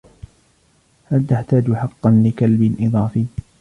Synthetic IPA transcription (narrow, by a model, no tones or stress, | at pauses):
halt̪aħt̪aːd͡ʒħɑqːɑnlɪkalbɪnʔɨðˤɑːfiː